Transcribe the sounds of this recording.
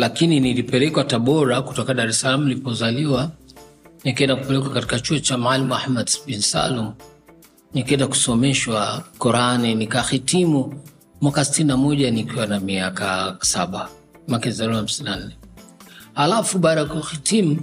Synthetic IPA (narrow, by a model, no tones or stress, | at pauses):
lakininilipɛlɛkwataɓɔɾaku̥tɔkaɗaɾɛsalamuilipɔzaliwa | nikɛndakupɛlɛkwakati̥kat͡ʃuɔt͡ʃamaalimuahmadsɓinsa̰lum̩ | nikɛndaku̥sɔmɛʃwakɔɾaninikaxitimu | mwakasi̥tininamɔʄanikiwanamiaka̰saɓa | makɛizaliaham̩sininan̩nɛ | halafuɓaːɗajakuxitimu